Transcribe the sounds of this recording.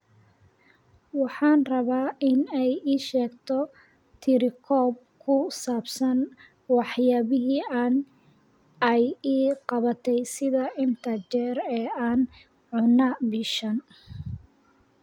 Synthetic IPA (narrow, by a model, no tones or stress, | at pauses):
wɑħɑːnrɐβaːɪnɛjiːʃɛːɡt̪ʰɔ | t̪ʰɪɾɪkʰɔːb̚kʰʊsaːbsɐn | wɑħjaːβɪɦiːaːn | ɛjiːqɑβɐt̪ʰɛjsɪðɐɪnt̪ʰɐt͡ʃɛːɾɛːaːn | ʕʊnɐbiʃɐn